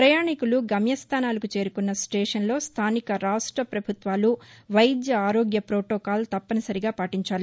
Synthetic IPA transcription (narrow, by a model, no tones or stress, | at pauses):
pɾɐjaːɳikuluɡɐmjɐst̪ʰaːnaːlɐkut͡ʃe̞ːɾukunːɐsʈeːʂɐnlo̞ːst̪ʰaːnikɐɾaːʂʈɾɐpɾɐbʱut̪ʋaːluʋɐjd̪jɐaːɾoːɡjɐpɾoːʈoːkaːlt̪ɐpːɐnɐsɐɾiɡaːpaːʈiɲt͡ʃaːli